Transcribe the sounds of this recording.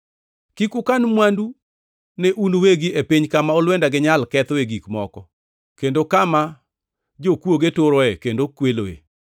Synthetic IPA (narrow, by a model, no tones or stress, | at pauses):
kikʊkanmwandu | nɛʔunoweɡiepiɲkamaɔlwɛndaɡɪɲalkɛt̪eɡikmɔkɔ | kendokama | d͡ʒokwoɡetoɾɔekendokwelo̰ḛ